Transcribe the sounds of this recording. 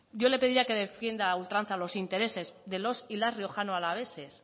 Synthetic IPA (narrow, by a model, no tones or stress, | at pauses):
d̪jo̞le̞pe̞ðiɾiake̞ðe̞fje̞nd̪ault̪ɾan̟θalo̞sint̪e̞ɾe̞se̞zðe̞lo̞silasrio̞xanoalaβ̞e̞se̞s